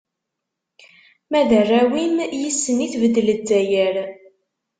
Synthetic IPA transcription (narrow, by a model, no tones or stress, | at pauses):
mæðərˤːæwimjəsːəniθvəd̪ːələdːæjəɾ